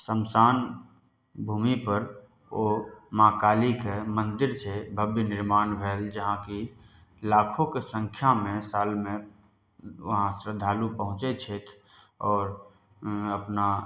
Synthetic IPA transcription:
səmsaːn | bʱuːmipəɾ | omãːkaːlikemə̃nd̪ɪɾt͡ʃʰebʱəbjnɪɾmaːnbʱeːld͡ʒəɦãki | laːkʰõkesə̃ŋkʰjamẽsaːlmẽ | ʋəɦãsɾəd̪ʱaːlupəɦʊ̃t͡ʃet͡ʃʰet̪ʰ | ɔːɾ | əpna

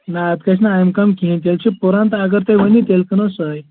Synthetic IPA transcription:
naɐt̪kɐsʰnaːjmkɐmkiɦĩnt̪elt͡ʃʰipuɾãnt̪aɡəɾt̪eʋənit̪elkənosəj

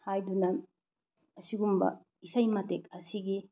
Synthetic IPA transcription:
hajd̪una | ɕiɡumba̰ | isaimat̪ekasiɡi

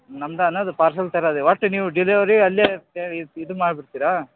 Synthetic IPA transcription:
nɐmd̪ɐɐnːɐd̪upaːɾs̬ɐlt̪ɐɾad̪eʋɐʈːniːʋuɖiliʋɐɾiɐlːeːeiid̪umaːɖbiɾt̪iːɾa

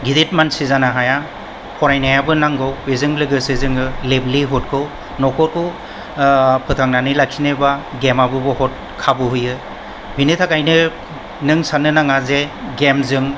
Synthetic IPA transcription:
ɡidet̚mansizanaɦaja | pʰɔɾajnajabɯnaŋɡɯwezɯŋlɯɡɯsizɯŋɯlebliɦɔt̚kʰɯw | nɔkʰɔɾkʰɯ | pʰɯtʰaŋnanɯlaksʰinebaɡemabɯbɯhɔt̚ | kʰabɯɦujɯ | bʱinitʰakajnɯ | nɯŋsanɯnaŋazeɡemzɯŋ

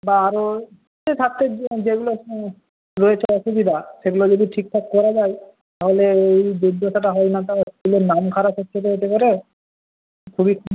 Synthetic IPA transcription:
baaɾo | etʰat̪ːed͡ʑeɡulo | ɾɔet͡ɕʰeɔʃubid̪ʱaseɡulod͡ʒod̪iʈʰik̚ʈʰakkɔɾad͡ʒaj | t̪aɦoleejd̪ud̪ʱosaʈaɦɔjnat̪aulonamkʰaɾat̪ʰotʰːet̪eet̪ekɔɾe | kʰubikʰ

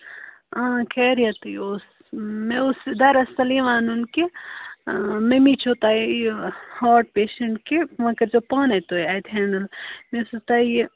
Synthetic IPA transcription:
ãkʰɛːɾijɐt̪ujos | mẽʊsd̪ɐɾɐsɐliʋaːnunke | mẽmit͡ʃʰot̪aːi | haːʈ̚peːʃɐɳʈkeʋɐkɐɾd͡ʒopɐːnɐt̪oːiajt̪ɦɛːɳɖɐlmẽsut̪aːe

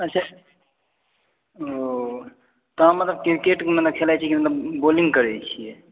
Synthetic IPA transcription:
ət͡ʃʰa | o | t̪ɔɦãmət̪ləb̚kkeʈkemət̪ləb̚kʰelajt͡ʃʰikimət̪ləbbolĩŋɡkəɾɛt͡ʃʰijɛ

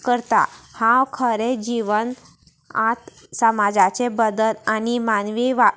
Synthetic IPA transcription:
kəɾt̪a̰hãwkʰəɾed͡ʑiʋən | a̰t̪ | səmad͡zat͡sebəd̪əlanimanʋiʋa

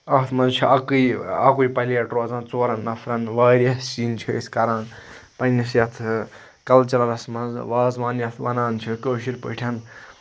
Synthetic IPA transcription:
ɐt̪ʰmɐnzt͡ʃʰuʔɐkɨjɐ̰kujpɐliɐʈɾoːzãːnt͡soːɾɐnːɐfʰɾɐnʋaːɾɐst͡ʃiːnt͡ʃʰuḭskɐɾaːn | pɐnnisjɐt̪ʰ | kɐlt͡ʃɐlɐɾɐsmɐnzʋaːzʋaːnjɐt̪ʰʋɐnaːnt͡ʃʰukoːʃiɾpə̰ʈʲʰɐn

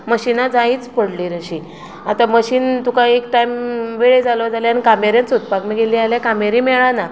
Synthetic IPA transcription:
məɕinad͡zaiːt͡spəɽliːɾəɕi | at̪aməɕiːnt̪ukãek̚ʈajmʋeɭed͡zaləd͡zaleanikameɾjãnsut̪̚pakmiɡeliːaljakameɾimɛɭana

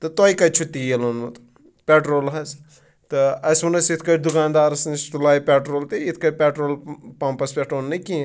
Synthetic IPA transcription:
t̪ɨt̪ojkɐt͡ʃʰut̪ijelonmɐt̪ | pʲeʈɾoːlɦɐz | t̪ɨɐsʲunɐsit̪ʰkɐɾd̪ukaːnd̪aːɾɐsnist̪ulaːjipʲeʈɾoːlt̪iit̪ʰkɐpʲeʈɾoːlpɐmpɐspʲeʈɾoːnːɨki

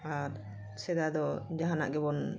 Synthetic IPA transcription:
aɾ | sɛd̪ad̪ɔd͡ʒaɦana̰ʔɡɛbɔn

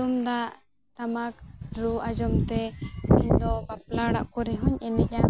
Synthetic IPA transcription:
umd̪aʔ | ɾamakɾuʔad͡ʒɔmt̪ɛmiɲd̪ɔpaplaɽa̰ʔkɔɾɛɦɔɲɛnɛca

